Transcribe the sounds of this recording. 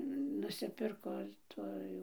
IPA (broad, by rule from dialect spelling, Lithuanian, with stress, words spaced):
nʊsʲɪˈpʲɪrkoː ɪr ˈtuː jɛʊ